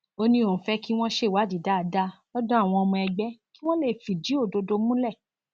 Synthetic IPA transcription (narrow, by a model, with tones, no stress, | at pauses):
o˧nĩ˧õ˨fɛ˦ki˦w̃ɔ̃˦ʃe˦˨wa˨˦di˨˦da˨˦˨da˦lɔ˦dɔ̃˦a˦˨w̃ɔ̃˧ɔ˧mũ˧ɛ˧ɡ͡bɛ˦ki˦w̃ɔ̃˦le˦˨fi˨d͡ʒi˨˦o˦˨do˧do˧mũ˦lɛ˦˨